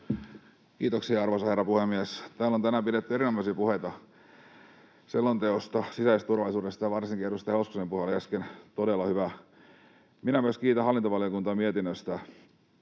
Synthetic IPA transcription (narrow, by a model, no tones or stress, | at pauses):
kiːt̪oksiɑrʋosɑherːɑpuhemːiest̪æːlont̪ænæːmpiɾet̪ːyeɾinomɑisiːpuhet̪ɑ | selːont̪eost̪ɑsisæist̪t̪urʋɑlisuːdest̪ɑjɑʋɑrsiŋkieɾust̪ɑheoskusempuhelæskent̪odelːɑhyʋæ | minæmyøskiːt̪æhɑlːˑint̪oʋɑliokunt̪ɑːmiet̪inːøst̪æ